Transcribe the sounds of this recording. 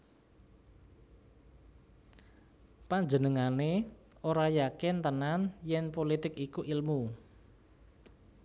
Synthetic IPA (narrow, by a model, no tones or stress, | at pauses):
paɲd͡ʒənəŋane | oɾajakɪnt̪ənanjɛnpolit̪ɪkikuʔilmu